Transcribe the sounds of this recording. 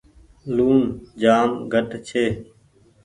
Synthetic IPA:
luːnd͡ʒaːmɡʱəʈt͡ʃʰeː

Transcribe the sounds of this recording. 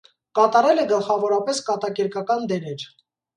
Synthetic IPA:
kɑt̪ɑɾɛlɛɡəlχɑvɔɾɑpɛskɑt̪ɑkɛɾkɑkɑnd̪ɛɾɛɾ

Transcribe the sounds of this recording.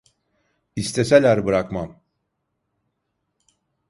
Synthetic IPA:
ist̪ʰeselʲæɾbɯɾakmam

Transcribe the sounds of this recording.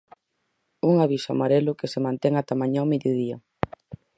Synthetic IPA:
uŋaβisʊamaɾelʊkesemãnt̪ɛŋat̪amãɲameðjoðia

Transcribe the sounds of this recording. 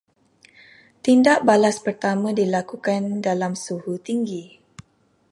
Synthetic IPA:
t̪indaʔbalaspərt̪amãdilakukandalamsuhut̪iŋɡi

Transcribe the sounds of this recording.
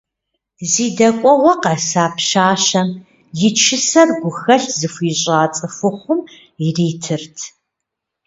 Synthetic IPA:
ziːdɐkʷʼɔwɐqɐsaːpʃaːɕɐm | jɪt͡ʃʰɪsɐrɡʷʊxɐɬzɨfʷiːɕʼaːt͡sʼɨfʊχʷʊm | iriːtʰɨrtʰ

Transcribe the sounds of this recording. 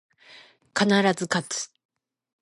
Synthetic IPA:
kanaɾazɨkat͡sɨ̥

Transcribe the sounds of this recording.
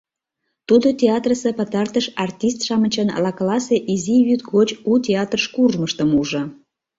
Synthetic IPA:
t̪ud̪otʲeɑt̪rəsepət̪ɑrt̪əʃɑrt̪ʲist̪ʃɑmət͡ɕənɑ̰lɑklɑseʔiziβyt̪ɣot͡ɕutʲeɑt̪rəʃkurʒməʃt̪əmuʒɤ̆

